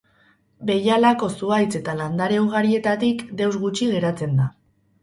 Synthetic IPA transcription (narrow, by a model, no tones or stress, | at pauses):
be̞jalako̞suajt͡se̞t̪aland̪aɾeuɣ̞aɾie̞t̪at̪ikd̪e̞wzɣut͡ʃiɣe̞ɾat͡se̞nd̪a